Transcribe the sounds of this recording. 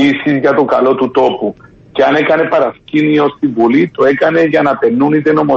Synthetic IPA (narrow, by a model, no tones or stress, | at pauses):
isizʝɐt̪okɐlo̞t̪ut̪o̞pu | ce̞ɐnekɐne̞pɐɾɐscinio̞st̪ivulit̪oe̞kɐne̞ʝɐnɐpe̞nːunit̪e̞no̞mo